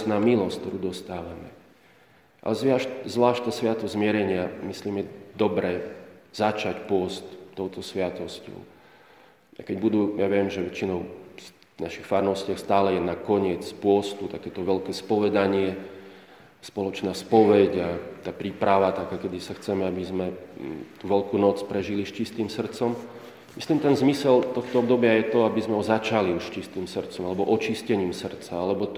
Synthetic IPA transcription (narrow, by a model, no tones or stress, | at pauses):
naːmilɔskt̪ɔɾuːd̪ɔst̪aːʋamɛ | ʔa̰lɛzʋɪaʃtzʋlaːʃt̪asʋɪat̪ɔzzmɪɛɾɛɲɪamisliːmjɛd̪ɔbɾɛːz̥at͡ʃacpʊɔst̪t̪ːɔʊt̪ɔsʋɪat̪ɔscɔ̰ʊ | akɛɟbud̪uːjaʋɪɛmʒɛʋɛt͡ʃinɔʊ | naʃixfaɾnɔscɪaxst̪aːlɛjɛnakɔɲɪɛt͡spʊɔst̪ut̪akɛːt̪ɔʋɛlkɛːspɔʋɛd̪aɲɪɛ | spɔlɔt͡ʃnaːspɔʋɛɟat̪aːpɾiːpɾaʋat̪akaːkɛd̪isaxt͡sɛmɛabizmɛt̪uːʋɛlkuːnɔt͡spɾɛʒiliʃt͡ʃist̪iːmsr̩t͡sɔm | misliːmt̪ɛnzmisɛlt̪ɔxt̪ɔɔbd̪ɔbɪajɛt̪ɔabizmɛɦɔzat͡ʃaliuʃʃt͡ʃist̪iːmsr̩t͡sɔmalɛbɔʔɔt͡ʃiscɛɲiːmsr̩t͡saalɛbɔ